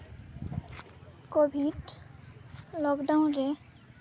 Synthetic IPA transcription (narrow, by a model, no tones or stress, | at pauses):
kobʱiʈ | lɔkɖaunɾe